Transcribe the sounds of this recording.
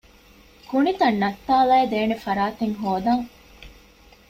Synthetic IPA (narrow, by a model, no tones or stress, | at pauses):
kunit̪ɐnːɐt̪ːaːlɐːd̪eːnefɐɾaːt̪eŋɦoːd̪ɐŋ